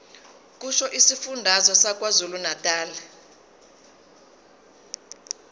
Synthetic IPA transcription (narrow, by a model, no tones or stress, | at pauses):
k̬ʼuʃɔʔisifundʱazɔsak̬wazulunatʼaːlɛ